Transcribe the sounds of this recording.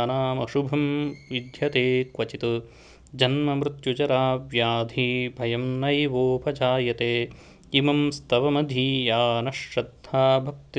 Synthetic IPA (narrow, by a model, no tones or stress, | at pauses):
naːmɐʃubʱɐmʋid̪ʱjɐt̪eːkʋɐt͡ʃit̪u | d͡ʒɐnmɐmɾɪt̪jud͡ʒɐɾaːʋjaːd̪ʱiːbʱɐjɐmnɐjʋoːpʰɐd͡ʒaːjɐt̪eː | imɐmst̪ɐʋɐmɐd̪ʱiːjaːnɐʃɾɐd̪ʱːaːbʱɐk̚t̪i